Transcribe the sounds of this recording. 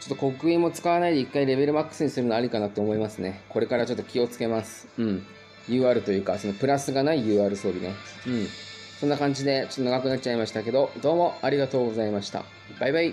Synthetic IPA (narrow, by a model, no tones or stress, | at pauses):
t͡ɕo̞t̪ːoko̞kɯ̟ĩmːo̞t͡sɨ̥kaβanaid̪e̞ikːaiɾe̞βe̞ɾɯ̟makːɯ̥sɨɲ̟isɨɾɯnaɾʲikanat̪ːoːmo̞imasɨne̞ko̞ɾe̞kaɾat͡ɕo̞t̪ːo̞kʲio̞t͡sɨ̥ke̞masɨ̥ɯ̟̃ɴ | jɯ̟ːaːɾɯ̟t̪o̞jɯ̟ːkaso̞no̞pɯ̟ɾasɨɡanaijɯ̟ːaːɾɯso̞ːbʲine̞ɯ̟̃ɴ | sõ̞nːakãɲ̟d͡ʑid̪e̞t͡ɕo̞t̪ːoaɡakɯ̟nat̪ːt͡ɕaimaɕi̥t̪ake̞d̪o̞d̪o̞ːmo̞aɾʲiɡat̪o̞ːɡo̞zaimaɕi̥t̪a̰ | b̥aibai